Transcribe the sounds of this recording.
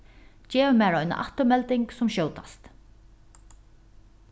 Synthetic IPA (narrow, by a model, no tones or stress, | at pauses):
t͡ɕɛːvəmæːɹɔjna̰ʔa̰ht̪ʊmɛlt̪ɪŋksʊmɕoːwt̪ast̪